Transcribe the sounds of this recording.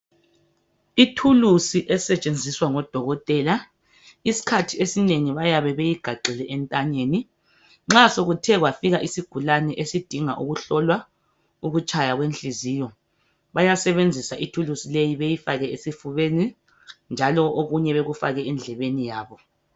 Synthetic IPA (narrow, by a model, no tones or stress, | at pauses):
itʰulusiʔɛsɛt͡ʃʼend͡zʱiswaŋɔd̥ʱɔɣɔtʼɛːla | isi̥kʰatʰiesineŋiβajaβɛβejiɡ̥ʱaǃʱilɛʔɛntʼaɲeːni | ŋ͡ǁasoɣutʰɛɣwafiɣaʔisiɡ̥ʱulanɛʔesid̥ʱiŋa̰ʔuɣuɬɔlwa | uɣut͡ʃʼajaɣwenɬʼiziːjɔ | βajasɛβend͡zʱisaʔitʰulusilejiβejifaɣɛesifuβeni | nd͡ʒʱalɔʔoɣuɲɛβeɣufa̰ɣɛɛnd͡ɮʱɛβenijaːβɔ